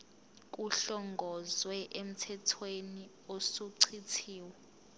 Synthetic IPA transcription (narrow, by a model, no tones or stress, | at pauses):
k̬ʼuɬɔŋɡʱɔzwɛʔem̩tʰɛtʰweni | osuǀʰitʰiːwɛ